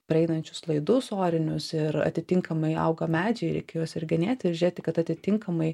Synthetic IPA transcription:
pʲɾʲɐɛɪnɐnʲt͡ʃʲʊ̥slˠɐɪd̪ʊsoːɾʲɪnʲʊsɪɾɐ̰t̪ʲɪt̪ʲɪŋkʰɐmɐɪɐ̰ʊɡɐmʲæːd͡ʒʲɛɪɾʲɛ̰ɪkʲɛjoːsɪɾɡʲɛnʲeːt̪ʲɪɾʒʲeːt̪ʲɪkɐt̪ɐt̪ʲɪt̪ʲɪŋkɐmɐɪ

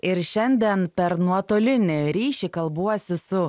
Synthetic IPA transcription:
ɪɾʃʲɛnʲd̪ʲɛnpʲɛɾnuɔt̪oːlʲɪnʲɪɾʲiːʃʲɪkɐlˠbuɔsʲɪsʊ

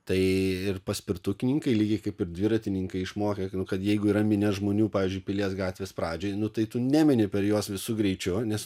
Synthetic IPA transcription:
t̪ɐɪɪrpɐsʲpʲɪrt̪ʊkʲɪnʲɪŋkɐɪlʲiːɡʲɪkɐɪpɪrd̪ʲʋʲɪɾɐt̪ʲɪnʲɪŋkɐɪɪʃmoːkʲɐnʊkɐt̪jɛɪɡʊiːɾɐmʲɪnʲɛʒmoːnʲuːpɑːʋʲiːzʲd͡ʒʊɪpʲɪlʲiɛsɡɑːt̪ʲʋʲeːspɾɑːd͡ʒʲoːjnʊt̪ɐɪt̪ʊnʲæmʲɪnʲɪpʲɛɾjoɔsʋʲɪsʊɡɾʲɛɪt͡ʃʲʊnʲɛs

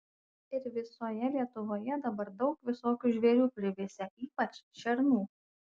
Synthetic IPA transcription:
ɪɾʋʲɪsoːjɛlʲiɛt̪ʊʋoːjɛd̪ɐbɐɾd̪ɒʊkʋʲɪsoːkʲuʒʲʋʲɛːɾʲuːpʲɾʲɪʋʲeːsʲɛiːpɐt͡ʃʃʲɛɾnuː

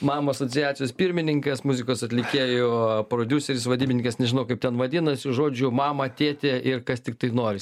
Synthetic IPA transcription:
mɑːmɐɐsoːt͡ssʲɪjæːt̪t͡sʲsʲjoːspʲɪɾʲmʲɪnʲɪŋkɐsmuzʲɪkoːsɐt̪ʲlʲɪkʲeːjoːpɾoːd̪ʲuːsʲɛɾʲɪsʋɐdʲiːbʲɪnʲɪŋkɐsnʲɛʒʲɪnɐʊkɐɪp̚t̪ʲɛnʋɐd̪ʲɪnɐsʲɪʒoːd͡ʒʲʊmɑːmɐt̪ʲeːt̪ʲeːʔɪrkɐst̪ʲɪk̚t̪ɐɪnoːɾʲɪs

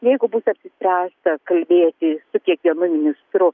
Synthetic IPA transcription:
jɛɪɡʊbusɐpʲsʲɪsʲpʲɾʲæːst̪ɐkɐlʲbʲeːt̪ʲɪsʊkʲiɛkʋʲiɛnʊmʲɪnʲɪst̪ɾʊ

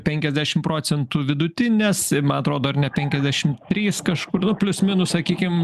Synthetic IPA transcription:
pʲɛŋʲkʲɛzʲd̪ʲæːʃʲɪmpɾoːt͡s̪ʲɛnt̪uʋʲɪd̪ʊt̪ʲɪnʲeːsɪmɐnɐt̪ɾoːd̪oːɐrnʲɛpʲɛŋʲkʲɛzʲd̪ʲæːʃʲɪmt̪ʲɾʲiːskɐʃkʊrnʊpʲlʲʊsʲmʲɪnʊssɐkʲiːkʲɪm

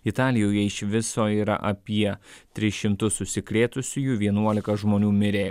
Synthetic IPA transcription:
ɪt̪ɑːlʲɪjoːjɛɪʃʋʲɪsoːiːɾɐ̰ʔɐpʲiɛt̪ʲɾʲɪʃʲɪmt̪ʊsʊsʲɪklʲeːt̪ʊsʲʊjuʋʲiɛnuɔlʲɪkɐʒmoːnʲuːmʲɪɾʲeː

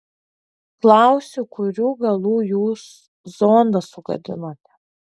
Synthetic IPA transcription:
klˠɑˑʊsʲuˑkʊɾʲuːɡɐlˠuːjuːs | zoːnd̪ɐsʊɡɐ̰d̪ʲɪ̰noːt̪ʲɛ̥

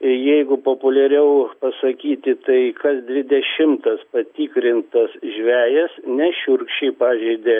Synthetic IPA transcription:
ɪjɛɪɡʊpoːpʊlʲɛɾʲɛʊpɐsɐkʲiːt̪ʲɪt̪ɐɪkɐsd̪ʲʋʲɪd̪ʲɛʃʲɪmt̪ɐspɐt̪ʲiːkɾʲɪnt̪ɐsʒʲʋʲæːjɛsnʲɛʃʲʊrkʃʲt͡ʃʲɛɪpɑːʒʲɛɪd̪ʲeː

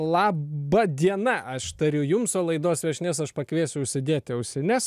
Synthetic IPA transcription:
lˠɑːbɐd̪ʲiɛnɐʔɐʃt̪ɐɾʲʊjʊmsoːlˠɐɪd̪oːsʋʲɛʃʲnʲesɐʃpɐkʋʲeːsʲʊʊʃʲsʲɪd̪ʲeːt̪ʲɛʊʃʲsʲɪnʲɛs

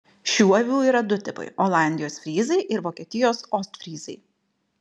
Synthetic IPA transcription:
ʃʲuːɐʋʲuːiːɾɐd̪ʊt̪ʲɪpɐ̰ɪolˠɑˑnʲd̪ʲɪjoːsfʲɾʲiːzɐɪʔɪɾʋoːkʲiɛt̪ʲɪjoːsɔst̪fʲɾʲiːzɐɪ

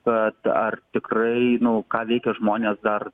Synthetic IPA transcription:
kɐt̪ɐ̰rt̪ʲɪkrɐɪnʊkɑːʋʲɛɪkʲɛʒmoːnʲeːsd̪ɐr

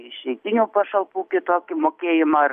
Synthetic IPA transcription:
ɪʃʲɛɪt̪ʲɪnʲuːpɐʃɐlˠpuːkʲɪt̪oːkʲɪmoːkʲeːjɪmɑ

